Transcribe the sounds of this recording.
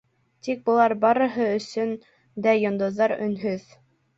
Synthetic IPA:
t̪ik̚bɤ̆lˠɑɾbɑɾɤ̆ɦɤɵ̆sɵn | d̪æjŏnd̪ɤ̆ððɑɾɵ̰̆nɦɵð

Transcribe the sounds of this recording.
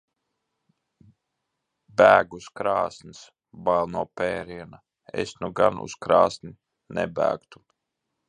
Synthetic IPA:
bæːɡuskɾaːsns | balˠnuɔpɛːɾiɛna | ḛsnuɡanṵskɾaːsni | nɛ̰bæ̰ːkt̪u̥

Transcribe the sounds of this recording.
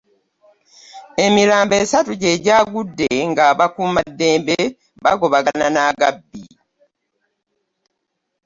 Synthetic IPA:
e̞miɾaːmbe̞ːsatuɟe̞ɟaːɡudːe̞ŋɡaβakuːmadːeːmbe | βaɡo̞βaɡananaːɡabːi

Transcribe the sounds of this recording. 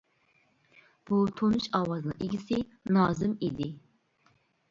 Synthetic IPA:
b̥ut̪ʰonɨʃɑwɑznɨ̰ŋiɡʲisɪnɑːzɪmid̪ɪ

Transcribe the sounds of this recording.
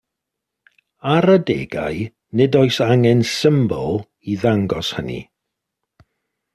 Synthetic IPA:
aɾədeːɡa̰j | nɪdoɨsaŋɛnsɪmbɔlˠ | iðaŋɡɔshənḭ

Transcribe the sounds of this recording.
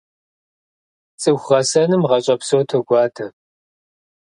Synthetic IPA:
t͡sʼɨwʷχɐsɐnɨmʁɐɕʼɐpsowtʰoɡʷɑːtʰɐ

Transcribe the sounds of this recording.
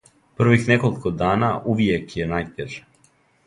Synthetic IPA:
pr̩ʋixnekolikod̪aːnaʔuʋjekjenajt̪eʒe̥

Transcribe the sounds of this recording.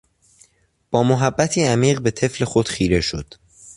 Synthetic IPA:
b̥ɒːmoɦæbːæt̪ʰiːæmiːɢbe̞t̪ʰe̞fle̞xo̞d̪̥xiːɾe̞ʃo̰d̪̥

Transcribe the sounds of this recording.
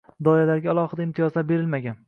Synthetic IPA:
d̪ɒjalaɾɡʲaːlˠɒhɪd̪aɪmt̪ʰijɒzlaɾbe̞ɾɪlmaɡʲan

